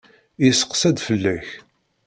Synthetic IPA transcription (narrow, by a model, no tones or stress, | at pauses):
isə̥qsæd̪fəlːæç